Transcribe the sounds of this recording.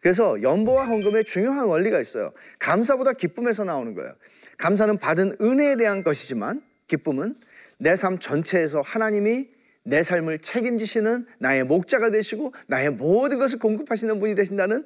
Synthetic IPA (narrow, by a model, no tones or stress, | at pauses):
kɯɾe̞s̬ʰʌjʌmbowaɦʌŋɡɯme̞t͡ɕuŋjoɦanwʌʎːiɡais͈ʌjo̰kamsʰabodakip͈ɯme̞s̬ʰʌnaonɯnɡʌ̰ḛjo̰ | kams̬ʰanɯnpadɯnɯne̞ːde̞ɦanɡʌɕʰid͡ʑima̰n | kip͈ɯmɯnː | e̞sʰamt͡ɕʌnt͡ɕʰe̞ːs̬ʰʌhanaɲimi | ne̞sʰaɭmɯɭt͡ɕʰe̞ɡimd͡ʑiɕʰinɯnːae̞mok̚t͡ɕ͈aɡadwe̞ɕʰiɡonae̞modɯnɡʌs̬ʰɯɭkoŋɡɯpʰaɕʰinɯnbuɲidwe̞ɕʰindanɯn